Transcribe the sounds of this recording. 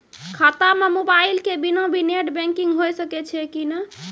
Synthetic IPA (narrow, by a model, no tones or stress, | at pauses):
kʰat̪amemobailkebinobʱineʈbɛ̃ŋkiŋɡɦojsəkɛt͡ʃʰɛkinə